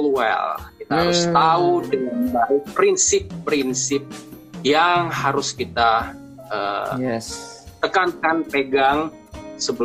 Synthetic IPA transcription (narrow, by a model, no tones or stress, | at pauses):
lwɛ̰lkit̪ahaɾʊst̪audəŋanbaɾɪpɾinsɪpːɾinsɪp̚ | jaŋhaɾʊskit̪a | ə | t̪əkankanpeɡaŋ | səbə